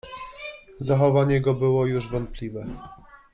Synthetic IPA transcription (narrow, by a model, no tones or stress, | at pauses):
zaxɔvaɲɛɡɔbɘwɔjuʐvɔnt̪̚plʲivɛ